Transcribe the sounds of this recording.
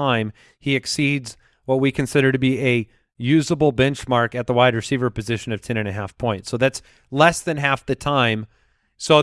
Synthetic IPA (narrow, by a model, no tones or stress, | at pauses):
ãɪ̃m | hiɨksidz | wʌt̚wikʰɨ̃nsɪɾə˞ɾɨbiɨ | jʉzəbl̩ˠbɛ̃nt͡ʃmɑɹkɨt̪̚ðəwaɪd̚ɹɨsivə˞pɨzɪʃɨ̃nʌv̥tʰɛ̃ñɨ̃nɨɦæfpʰɔ̃ɪ̃ntsoʊðæts | lɛsðɨ̃nɦæfðɨtʰãɪ̃m | soʊ